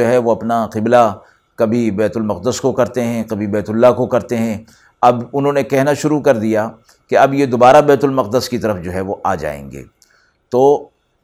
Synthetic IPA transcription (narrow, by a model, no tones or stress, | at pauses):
oɦɛʋoɐpnaqɪbla | kɐbʱibɛːt̪ʊlmɐqd̪əskokɐɾt̪eɦɛ̃kɐbʱibɛːt̪ʊlːakokɐɾt̪eɦɛ̃ | ɐbʊnɦõːnekɛɦnaʃʊɾukɐɾd̪ija | keɐbjed̪oːbaːɾabɛːt̪ʊlmɐq̚d̪əskit̪ɐɾəfd͡ʒoːɦɛʋoʔaːd͡ʒa̰ːḛ̃ːŋɡḛː | t̪oː